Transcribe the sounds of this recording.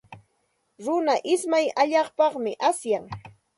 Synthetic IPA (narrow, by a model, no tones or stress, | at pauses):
ɾʊnaʔɪsmajaʎɑχpɑχmɪʔasjaŋ